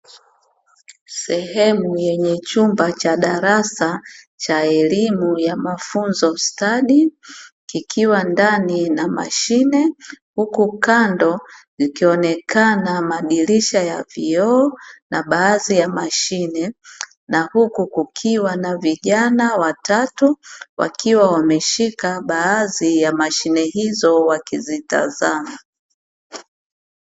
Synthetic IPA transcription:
sɛhɛmujɛɲɛt͡ʃumbat͡ʃaɗaɾasa | t͡ʃaɛlimujamafunzɔstaɗikikʰiwandaninama̰ʃinɛhukukandɔzikiɔnɛkʰanamaɗiliʃajaviɔːnʔaɓaːzijamaʃinɛ | nahukukukʰiwanaviʄanawatatuwa̰kiwawamɛʃikaɓaːzijamaʃinɛhizɔwakizita̰zama

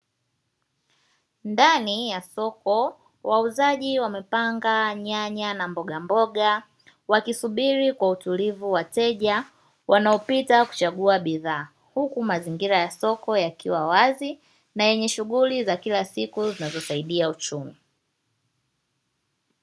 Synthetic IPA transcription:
ndanijasɔkɔ | wauzaʄiwamɛpaŋɡaɲaɲanambɔɠambɔɠa | wakisuɓiɾikwautulivuwatɛʄa | wʔanaɔpitaku̥t͡ʃaɠuaɓiðaː | hukumaziŋɡiɾajasɔkɔjakiwawazi | najɛɲɛʃuɣulizakilasikuzinazɔsaiɗiaut͡ʃumi

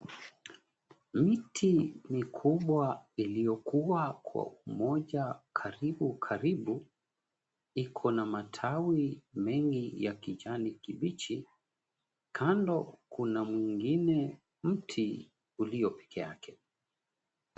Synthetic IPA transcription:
mitʰimikʰuɓwailijɔkuwakʰwa̰umɔʄakʰaɾiɓukʰaɾiɓu | ikʰɔnamatʰawimɛŋɡijakiʄanikiɓit͡ʃi | kʰandɔkunamwiŋɡinɛ | m̩tʰi | uliɔpɛ̥kʰɛa̰kʰɛ

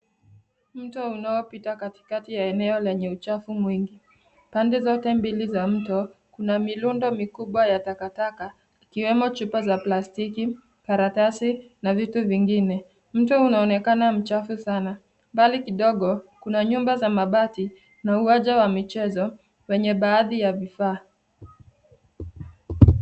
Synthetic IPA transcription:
m̩tɔunaɔpitakati̥katijaɛnɛɔlɛɲɛut͡ʃafumwiŋɡi | pandɛzɔtɛmbilizam̩tɔkunamilundɔmikuɓwajatakataka | ikiwɛmɔt͡ʃupazaplastiki | kaɾatasi | navituviŋɡinɛ | m̩tɔunaɔnɛkanam̩t͡ʃafusana | mbalikiɗɔɠɔkunaɲumbazamaɓati | nauaʄawamit͡ʃɛzɔ | wɛɲɛɓaːðijavifaː

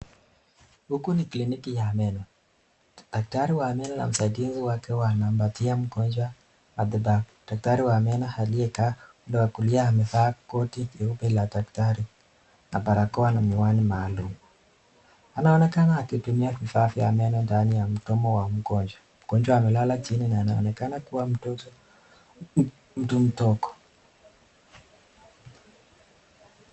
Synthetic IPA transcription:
hukuniklinikijaːmɛnɔ | d̥ak̚taɾiwaːmɛnana̰m̩saɡinziwakɛwanaːmbatiam̩ɡɔnd͡ʒwa | maðibakɔd̥ak̚taɾiwaːmɛnahaliɛkaːundɛwakuliaamɛfaːkɔtiiubɛladaktaɾi | nabaɾakɔwanamiwanimaːlumu | anaɔnɛkanaːkitumiafifaːfiamɛnɔndanijam̩tɔmɔwam̩ɡɔɲd͡ʒwa | m̩ɡ̥ɔnd͡ʒwaamɛlalat͡ʃininaːnaɔ̰nɛkanakuwa | m̩tum̩tɔkɔ̥

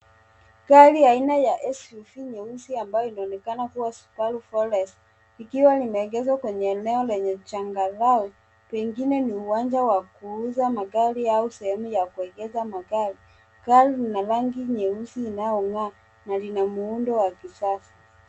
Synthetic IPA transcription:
kaliainajaʔɛsufiɲɛusiambajɔinaɔnɛkanakuwaskalufɔlɛs | ikiwalimɛːɡɛzwakwɛɲɛːnɛɔlɛɲɛt͡ʃaŋɡalaɔ | pɛŋɡinɛniuwaɲd͡ʒawakuuzamaɡaɾiausɛhɛmujakuɛɡɛzamaɡaɾi | kalinalaŋɡiɲɛusiːnaɔŋaː | nalinamuundɔwakisasḁ

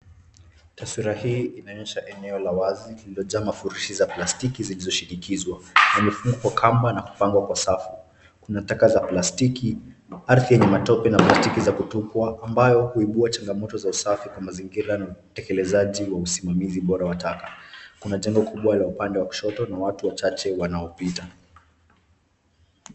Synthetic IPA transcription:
taswiɾahiːinaɲɛʃaʔɛnɛɔlawazilililɔʄaːmafuɾiʃizaplastikizilizɔʃinikizwanamifuŋɡukwakʰambanaku̥paŋɡwakwasafu̥ | kunatakazaplastikiaɾθijɛɲɛmatɔpɛnaplastikizakutukwaʔːmbajɔhuiɓuat͡ʃaŋɡamɔtɔzausafikwamaziŋɡiɾanautɛkɛlɛzaʄiwausimamiziɓɔɾawatakḁkunaʄɛŋɡɔkʰuɓwalaupandɛwaku̥ʃɔtɔnawatuwat͡ʃat͡ʃɛwanaɔpita

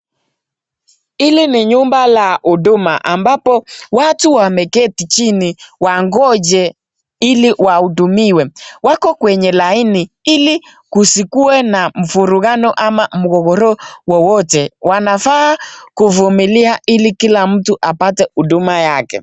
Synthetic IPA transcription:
ilinɪɲumbalaʔudumaʔambapɔwatuwamɛkɛtit͡ʃiniwaŋɡɔd͡ʒɛ | iliwaudumiwɛwakɔkwɛɲɛlainiili | kusikuɛnam̩fuɾuɣanɔʔamamuɣɔɣɔɾɔwɔwɔtɛwanafakuvumiliaʔilikilam̩tuʔapatɛudumajakɛ̰

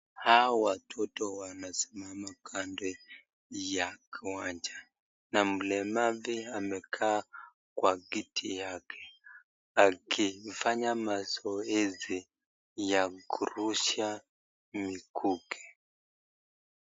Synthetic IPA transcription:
haɔwatʰɔtɔwanasi̥mamakʰandɛ | jakʰiwaɲd͡ʒa | nam̩lɛmaviamɛkʰaː | kwaɡitʰijakʰɛ̥ | akʰifaɲamazɔɛzi | jakuɾuʃa | mikʰukʰɛ̥

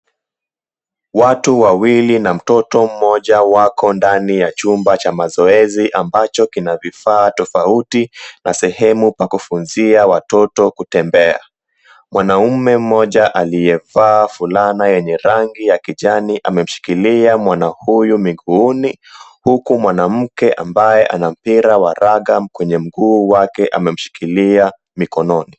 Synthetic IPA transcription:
watuwawilinam̩tɔtɔm̩mɔʄawakʰɔndanijat͡ʃumbat͡ʃamazɔɛziʔambat͡ʃɔkinavifaːtɔfautinasɛhɛmupakufunziawatɔtɔkutɛmbɛa̰ | mwanaumɛm̩mɔʄaʔalijɛvaːfulanajɛɲɛɾaŋɡijakiʄaniʔa̰mɛm̩ʃi̥kiliamwanahujumiɠuuni | hukumwanam̩kɛʔa̰mbajɛʔa̰nam̩piɾawaɾaɠamkwɛɲɛm̩ɡuːwakɛʔa̰mɛm̩ʃi̥kilia | mikɔnɔni

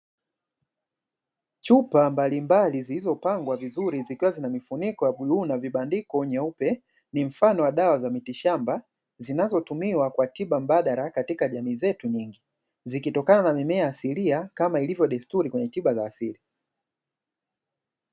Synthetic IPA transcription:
t͡ʃupambalimbalizilizɔpaŋɡwavizuɾizikiwazinamifunikɔjaɓuɗunaviɓandikɔɲɛupɛ | nim̩fanɔwaɗawazamitiʃamba | zinazɔtumiwakwatiɓam̩ɓaɗaɾakatikaʄamiːzɛtuɲiŋɡi | zikitɔkananamimɛaːsiliakamailivjɔɗɛstuɾikwɛɲɛtiɓazaːsili

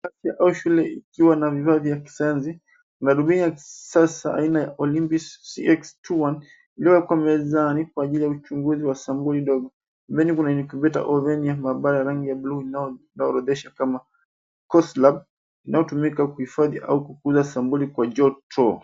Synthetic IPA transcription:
kasiaʔauʃulɛikiwanavivavjaki̥saanzi | kunaɗubinijaki̥sasa̰a̰inajaʔɔlimpissiɛkstuwan | iliwɛkwamɛzanikwaːʄilijaut͡ʃuŋɡuziwasambulidɔɡɔ | mbɛnikunanikibɛta̰ʔɔvɛniamaɓaɾajaɾaŋɡijabuluininaɔɾɔðɛʃakama | kɔslab̚ | inajɔtumikakuhifaðiʔaukukuzasambulikwad͡ʒɔtʰɔ

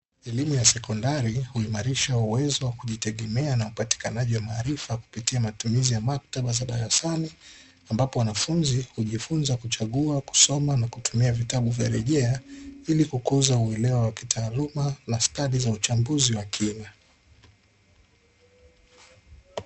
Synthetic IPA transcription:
ɛlimujasɛkɔndaɾihuimaɾiʃauwɛzɔwakuʄitɛɠɛmɛanaupati̥kanaʄiwamaːɾifaku̥pitiamatumizijamak̚taɓazaɗaɾasani | ambapɔwanafunzihuʄifunzakut͡ʃaɠuaku̥sɔmanakutumiavitaɓuvjaɾɛʄɛailikukuzauɛlɛwawakitʰaːlumanastalizaut͡ʃambuziwakʰina

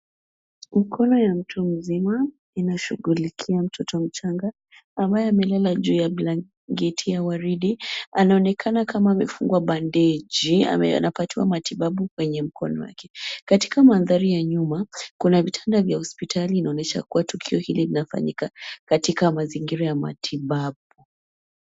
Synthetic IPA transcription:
m̩kʰɔnɔjam̩tʰum̩zima | inaʃuɡulikʰiam̩tʰɔtʰɔm̩t͡ʃaŋɡaː | mbajɛamɛlalaʄuːjabla | ɡɛtʰijawaɾiɗianaɔnɛkʰanakʰamaːmɛfuŋɡwaɓandɛd͡ʒia̰ɛa̰napatiwa̰matiɓaɓukwɛɲɛm̩kʰɔ̰nɔ̰wa̰kʰɛ̥kati̥kamanðaɾijaɲumakunavitʰandavjahɔspitʰaliːnaɔnɛʃa̰kuwatukʰiɔhililinafa̰ɲikakatikamaziŋɡiɾajama̰tʰiɓaɓu

